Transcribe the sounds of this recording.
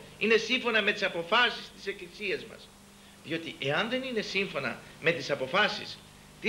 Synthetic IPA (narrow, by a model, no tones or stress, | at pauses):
ine̞siɱfo̞nɐme̞t̪isɐpo̞fɐsist̪i̥se̞klisiɐzmɐ̰s | ðio̞t̪iʔe̞ɐnðe̞nine̞siɱfo̞nɐ̰me̞t̪isɐpo̞fɐsḭs | t̪i